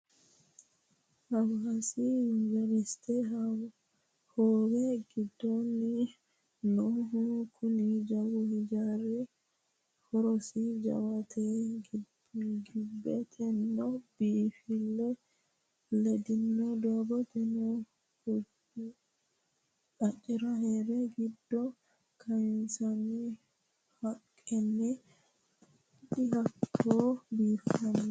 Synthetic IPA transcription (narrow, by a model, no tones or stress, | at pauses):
awhasiunvaɾistɛɦa | hɔwɛɡidːoni | nɔɦukʰunid͡ʒawuhid͡ʒaɾɛ | hɔɾɔsid͡ʒa̰watʰɛɡi | ɡibːɛt̪ʰɛnːɔbifilːɛ | ledinːɔdɔbɔtɛnɔ | aɗiɾahɛɾɛɡidːɔ | kʰansani | hakʼːɛnːi | ɗihakːɔbifiam